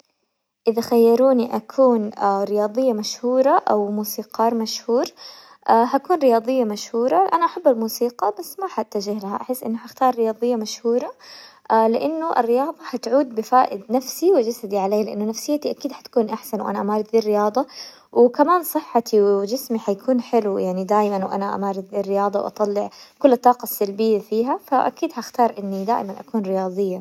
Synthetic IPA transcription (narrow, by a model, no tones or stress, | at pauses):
ʔɪðaxajːɑɾˤuːniʔakʰuːnaɾɪjɑːd̪ˤɨjːamaʃhuːɾˤɑʔawmuːsiːqɑːɾˤmaʃhuːɾ | ʔaɦakuːnɾɪjɑːd̪ˤɨjːamaʃhuːɾˤɑʔanaʔaħabːalmuːsiːqɑbasːmaħat̪ːaʒɪhlaha̰ʔaħɪsːʔɪ̰nːʊhaʔaxt̪ɑːɾˤːɪjɑːd̪ˤɨjːamaʃhuːɾˤɑ | lɪʔanːʊʔɪ̰rːɪjɑːðˤɑhat̪ʕuːd̪̚bɪfaːʔɪd̪nafsiwɪd͡ʒasad̪iʕaleːlɪʔɪnːʊnːafsɪjːat̪iʔakiːd̪ħḁt̪ḁkuːnʔaħsanwʔa̰naʔamaːɾˤɪd̪ðiːrːɪjɑːðˤɑ | wɪkamaːnsˤɨħːɑt̪ʰiwɪd͡ʒɪsmiħajakʰuːnħɪlujaʕnid̪aːjmanwʔa̰naʔa̰maːɾˤɪd̪ðiːrːɪjɑːðˤɑwʔɑ̰t̪ˤɑlːɪʕkʊlːɨt̪ˤːɑːqɑsːalbɪjːafiːɦafaʔa̰kiːd̪ħaʔxt̪ɑːɾˤʔɪnːid̪aːʔmanʔakuːnɾɪjɑːðˤɨjːa